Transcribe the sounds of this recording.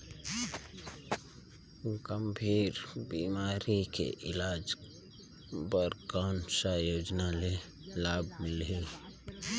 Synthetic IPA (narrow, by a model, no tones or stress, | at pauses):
ɡəmbʱiːɾbimaːɾikḛʔɪlaːd͡ʒ | bəɾɡaːnsajoːd͡ʒnale | laːb̚mɪle